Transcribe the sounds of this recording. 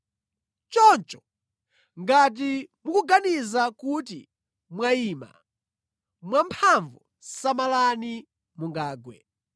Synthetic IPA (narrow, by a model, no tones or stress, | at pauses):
t͡ʃɔnt͡ʃɔ̥ | ŋɡat̬imukuɡanizakut̬ḭ | mwaiːma̰ | mwampʰaɱvu | samalani | muŋɡaːɡwɛ̰